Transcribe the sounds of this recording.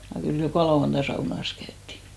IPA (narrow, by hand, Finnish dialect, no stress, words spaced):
jɑ kyl jokɑˑ lɑuɑntɑ sɑunɑs kæytːi